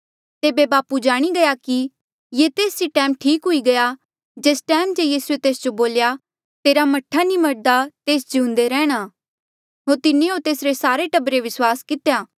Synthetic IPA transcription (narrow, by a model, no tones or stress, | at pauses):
t̪eːbebaːpud͡ʒaːɽ̃iɡɐjaki | jet̪eːsiʈɛ̃ːmʈʰiːkɦʊiɡɐja | d͡ʒeːsʈɛːmd͡ʒejiːsuet̪eːsd͡ʒoboːlja | t̪eːɾamɐʈʰːanĩmɐɾd̪at̪eːsd͡ʒʱũːnd̪eɾɛ̃ːɽ̃aː | ɦoːɾt̪ɪnẽoːɾt̪eːsɾesaːɾeʈɐbɾeʋɪswaːskɪt̪ejaː